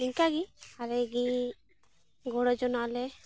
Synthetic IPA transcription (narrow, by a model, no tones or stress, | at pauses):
iŋkaɡiaɾɛɡi | ɡoɽɔd͡ʒɔnalɛ